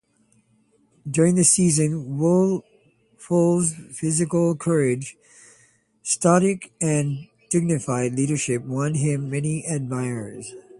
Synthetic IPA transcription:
dʊɹɪ̃ŋðɨsizɨ̃nwʊlˠ | fɔlˠzfɪzɨkl̩ˠkʰɜ˞ɪ̥d͡ʒ | stɑɾɪkɨ̃n | d̥ɪɡ̚nɨfaɪdˡliɾə˞ʃɪp̚wʌ̃nɪ̃mːɛniʔɨd̚maɪə˞z̥

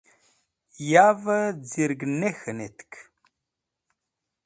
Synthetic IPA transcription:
javəd͡ziɾɡnexənet̪kʰ

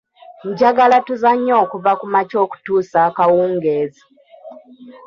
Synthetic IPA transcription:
ɲ̩ɟaɡalatuzaɲːo̞ːkuvakumat͡ʃo̞ːku̥tuːsakawuːŋɡe̞ːzi

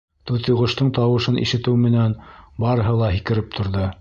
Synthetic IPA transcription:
t̪ʉðjŏʁɤ̆ʃt̪ɤɴt̪ɑwɤ̆ʃɤnʔḭʃɘ̆t̪ɘwmɘ̆nænbɑɾɤ̆ɦɤlˠɑɦikɘ̆ɾɘp̚t̪ʰŏɾðɤ

